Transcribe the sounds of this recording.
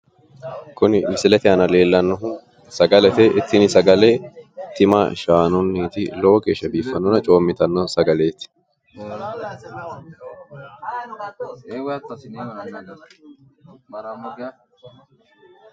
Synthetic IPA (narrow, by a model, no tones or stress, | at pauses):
kʊnɪmɪsɪlɛt̪ɪɐnɐle̞ːlːɐnːɔɦʊ | sɐɡɐlɛt̪ɛʔɪt̪ʰːɪnɪsɐɡɐlɛt̪ɪmɐ̰ʃaːnʊnːiːt̪ɪloːɡe̞ːʃːɐbiːfːɐnːɔnɐt͡ʃʼo̞ːmːɪt̪ɐnːɔsɐɡɐleːt̪ɪ̥ | w